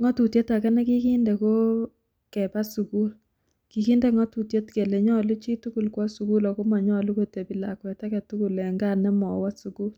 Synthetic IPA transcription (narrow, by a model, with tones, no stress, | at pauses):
ŋɔ˦tu˨tje˦ta˨kɛ˦nɛ˦ki˦ki˦ndɛ˨ko˦ | kɛ˨ba˦su˨ku˦l | ki˨ki˦ndɛ˦ŋɔ˦tu˨tje˦tke˨le˨ɲɔ˦lu˦t͡ʃi˦tu˦ku˨lkwɔ˦su˨ku˦lɔ˨ko˦ma˨ɲɔ˦lu˦ko˨te˨bi˨la˨kwɛ˨ta˦kɛ˨tu˦ku˨lɛ˨ŋɡa˦nɛ˦mɔ˨wa˦su˨ku˦l